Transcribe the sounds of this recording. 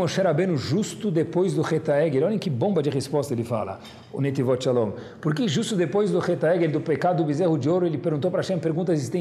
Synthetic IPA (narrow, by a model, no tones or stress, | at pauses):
moʃɛɾabẽnʊʒust̪ʊd̪epojzd̪ʊχet̪aɛɡeɾɔlẽkɪbõmbɐd͡ʒɪʁespɔst̪ɐelɪfa̰lɐ̰ | ʊ̰net̪ivɔt͡ʃalõ | pʊɾk̬ɪʒust̪ʊd̪epojzd̪ʊχet̪aɛɡeɾd̪ʊpekad̪ʊbizehʊd͡ʒɪoɾʊelɪpeɾɡũt̪owpɾɐʃẽpeɾɡũnt̪ɐzist̪ẽ